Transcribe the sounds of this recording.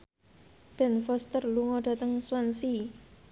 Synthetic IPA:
b̥ɛnfɔst̪ərluŋɔɖ̥a̤t̪əŋswansi

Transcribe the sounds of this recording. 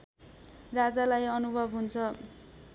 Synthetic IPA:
rad͡zalajʌnubʱʌbɦunt͡sʰʌ

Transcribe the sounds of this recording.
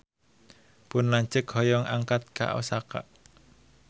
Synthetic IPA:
pʊnlaɲt͡ʃəkhɔjɔŋʔaŋkat̪̚ka̰ʔo̰saka̰ʔ

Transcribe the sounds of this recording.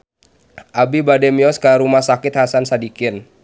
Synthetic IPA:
ʔabibadɛmiɔskəɾumahsakɪt̪̚hasansadikɪn

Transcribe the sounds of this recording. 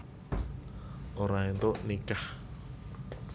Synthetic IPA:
ʔoɾaint̪oʔnikah

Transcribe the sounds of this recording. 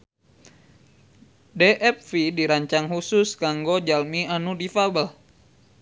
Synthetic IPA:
deʔɛp̚fidiɾaɲt͡ʃaŋɦusʊskaŋɡod͡ʒalmianudifabəl

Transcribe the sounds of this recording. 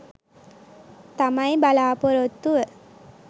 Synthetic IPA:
t̪amajbalaːpɔɾot̪ːuʋə

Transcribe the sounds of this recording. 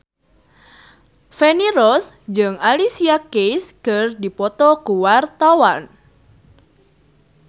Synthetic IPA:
feniɾɔs | d͡ʒɨŋalisiakejskɨrdipɔt̪ɔkuwart̪awan

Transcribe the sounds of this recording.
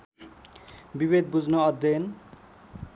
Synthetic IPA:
bibed̪bud͡znʌʌd̪ʌn

